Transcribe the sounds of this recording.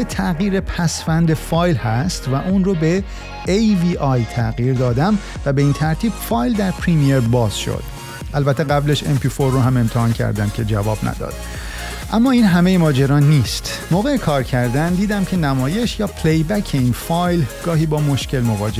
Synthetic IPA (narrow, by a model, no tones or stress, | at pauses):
et̪ʰæɣiːɾe̞pʰæsfænd̪e̞fɒːjlhæst̪væʔuːnrobe̞ | ejviːʔɒjt̪ʰæɣiːɾd̪ɒːd̪æm | væbe̞iːnt̪ʰæɾt̪ʰiːb̥fɒːjld̪æɾpʰɾimijeɾbɒːz̥ʃo̰d̪̥ | ʔælbæt̪ʰːeɣæbleʃḛmpʰifoɾːoɦæme̞mt̪ʰehɒːncʰæ̰ɾd̪æmcʲʰe̞d͡ʒævɒːbnæ̰d̪ɒ̰ːd̪̥ | ʔæmːɒːiːnɦæme̞jemɒːd͡ʒeɾɒːnːiːst̪ | moːɣe̞jekʰɒːɾcʰæɾd̪ænd̪iːd̪æmcʰe̞næmɒːje̞ʃjɒːpʰlejbæcʰeinfɒːjlɡ̥ɒːɦiːbɒːmo̞ʃcʰe̞lmo̞vɒ̰ːd͡ʒe